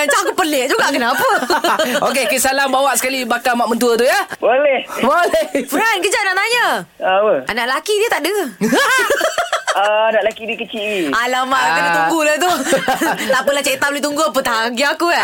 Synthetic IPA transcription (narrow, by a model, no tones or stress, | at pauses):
at͡ʃaʔkupəleʔd͡ʒuɡaʔkənapəokekisalambawaʔsə̥kalibakamaʔmənt̪uət̪ujabolɛhbolɛfəɾankəd͡ʒaʔnaʔt̪aɲəapəanaʔlakidiət̪aʔdəə | ənaʔlakidikət͡ʃiialamaʔlakənat̪uŋɡulat̪̬u | lapəlat͡ʃet̪abolet̪uŋɡuapət̪aɦaɡiakua